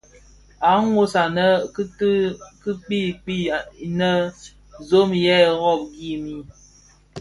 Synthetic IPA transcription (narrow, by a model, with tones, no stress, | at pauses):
a˨˦ŋwo˦sa˨nə˦tkɨ˦k͡pi˦˨k͡pi˦˨nə˦ | zo˦mjɛ˦˨ɣɔ˦˨p̚ɡi˦mi˦